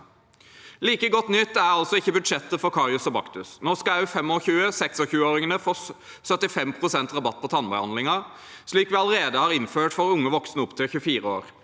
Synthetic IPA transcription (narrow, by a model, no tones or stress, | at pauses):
liːkəɡɔt̪nʏt̪ːæʁɑlt̪sɔɪçːəbʉd̪ʂɛt̪ːəfɔɾkʰɑʁjʊsɔbɑ̰kt̪ʉsnoːskɑæʉfɛmoːçʉːəsɛksɔçʉːəoːʁɪŋənəfoː | sœt̪ɪfɛmpʰʁʊsɛnt̪ʁɑbɑt̪̚ːpʰɔt̪ʰɑnbɑhɑnlɪŋɑ | ʂliːkʋɪɑləɾeːd̪əhɑːʁɪnføːʈfɔɾʊŋːəʋɔksnəʊpt̪ʰelçʉfiːɾəo̰ːɾ